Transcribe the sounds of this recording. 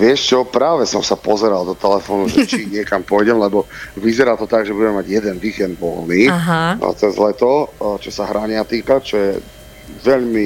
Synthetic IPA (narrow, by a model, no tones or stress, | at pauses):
ʋɪɛʃt͡ʃɔpɾaːʋɛsɔmsapɔzɛɾald̪ɔt̪ɛlɛfɔːnuʒɛt͡ʃiɲɪɛkampɔjɟɛmlɛbɔʋizɛɾaːt̪ɔt̪aɡʒɛbuɟɛmɛmaɟjɛd̪ɛnʋiːkɛnd̪bɔ̰lniːɦt͡sɛzlɛt̪ɔt͡ʃɔsaɦɾaɲɪat̪iːkat͡ʃɔjɛ | ʋɛʎmi